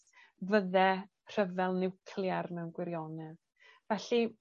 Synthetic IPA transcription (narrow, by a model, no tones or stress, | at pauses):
vəðɛ | r̥əvɛlˠnɪwkʰlˠjarnɛwnɡwɪɾjɔnɛð | vɛɬi